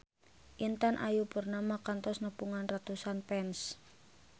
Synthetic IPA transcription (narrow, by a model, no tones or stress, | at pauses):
ʔint̪anʔa̰jupərnamakant̪ɔsnəpuŋanrat̪usanpɛns